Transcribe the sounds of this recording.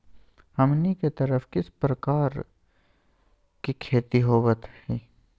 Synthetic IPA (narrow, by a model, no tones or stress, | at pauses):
hɐmniket̪əɾəfkɪspɾəkaːɾ | kikʰeːt̪iɦoːʋət̪hɛː